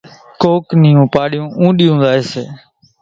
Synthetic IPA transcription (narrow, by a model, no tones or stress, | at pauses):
koːknɪjũːpaːɗɪjũːʔũːɗiːũːnd̪aːɦeːsḛː